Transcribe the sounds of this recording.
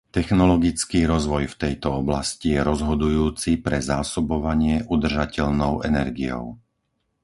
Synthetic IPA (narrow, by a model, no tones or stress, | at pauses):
t̪ɛxnɔlɔɡit͡skiːɾɔzʋɔjft̪ɛjt̪ɔɔblascijɛɾɔzɦɔd̪ujuːt͡sipɾɛzaːsɔbɔʋaɲɪɛʔud̪r̩ʒacɛʎnɔʊɛnɛɾɡijɔ̰ʊ